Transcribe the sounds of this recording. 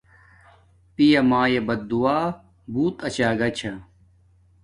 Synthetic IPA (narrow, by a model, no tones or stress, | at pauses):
pijɐmaːjebɐd̪d̪uaː | buːt̪ɐt͡ɕaːɡɐt͡ɕʰa